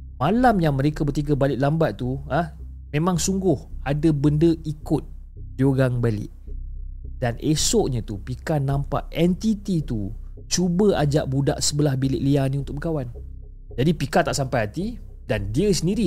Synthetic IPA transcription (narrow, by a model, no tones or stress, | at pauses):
malamjaŋməɾekabət̪iɡəbalɪʔlambat̪̚ːuah | mẽmãŋsuŋɡʊhadəbəndəʔikʊt̪̚ | dioɣaŋbalɪ̰ʔ | danʔesɔʔɲat̪upikanãmpa̰ʔɛnt̪it̪it̪u | t͡ʃubəad͡ʒa̰ʔbuda̰ʔsəbəlahbilɪʔlianiunt̪ʊk̚bəkawan | d͡ʒadipikat̪aʔsampajɦat̪i | dandiəsəndiɾi